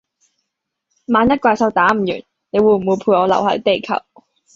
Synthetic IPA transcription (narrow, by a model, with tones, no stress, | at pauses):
maː˨˧njɐ˥t̚kʷwaː˧jsɐ˧wt̪aː˨˥m̩˨˩jy̰ː˨˩n | ne˨˧jwuː˨˧m̩˨wuː˨˧jpʰuː˧tɔː˨˧lɐ̰˨˩whɐ̰˨˥t̪e˨jkʰɐ̰˨˩w